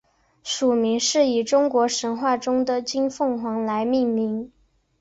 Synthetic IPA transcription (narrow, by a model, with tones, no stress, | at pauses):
ʂu˨˩mi˧˥ŋʂɻ̩˥˩i˨˩ʈ͡ʂʊ˥ŋkwɔ˧˥ʂə˧˥nxwa˥˩ʈ͡ʂʊ˥ŋd̪ə˨t͡ɕi˥nfɤ˥˩ŋxwɑ˧˥ŋla˧˥ɪmi˥˩ŋmi˧˥ŋ